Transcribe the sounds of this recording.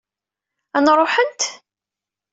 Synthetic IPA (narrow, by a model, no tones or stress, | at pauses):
ænɾˤoħənt̪